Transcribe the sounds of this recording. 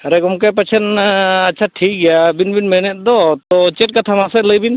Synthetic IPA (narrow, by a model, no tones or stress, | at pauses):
ɾɛɡɔmkajp̬at͡ʃʰɛnat͡ʃʰaʈʰik̚ɡɛjabinbinmɛnɛt̪̚ˀd̪ɔt̪ɔt͡ʃɛʈ̚kat̪ʰamasɛt̪ləjbin